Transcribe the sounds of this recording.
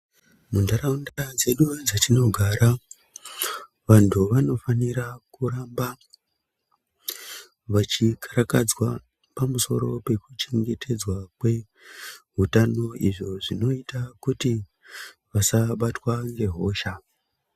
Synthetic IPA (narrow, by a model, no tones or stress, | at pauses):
mundaɾaundad͡ze̞ɗud͡zatino̞ɡʱaɾa | ʋantʰuʋano̞faniɾakuɾamba | ʋat͡ʃikʰḁɾakad͡zwa | pamuso̞̰ɾo̞pe̞kut͡ʃeŋɡe̞tʰe̞d͡zwakwe̞ | ɦutano̞iʐo̞ʐino̞itakuti | ʋasaɓatwaŋɡe̞ɦo̞ːʃa